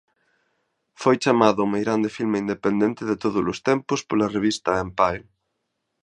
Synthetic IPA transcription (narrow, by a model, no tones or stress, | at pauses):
fojt͡ʃamaðʊmejɣɾand̪ɪfilmeind̪epend̪ent̪ɪðet̪oðʊzlʊst̪ɛmpʊspolɐreβist̪ɐempaj